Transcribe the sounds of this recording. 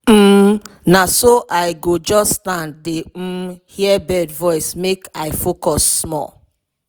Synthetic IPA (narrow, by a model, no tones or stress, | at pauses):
m̩ | nasoʔaɪɡod͡ʒɔstãnddem̩hiɛbɛdvɔɪsmekaɪfokɔsːmɔ̰l